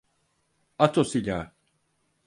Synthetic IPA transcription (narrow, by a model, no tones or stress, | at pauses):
at̪ʰosiʎʲaː